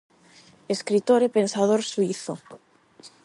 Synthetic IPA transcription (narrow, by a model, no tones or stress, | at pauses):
eskɾit̪oɾepensað̞oɾsuiθo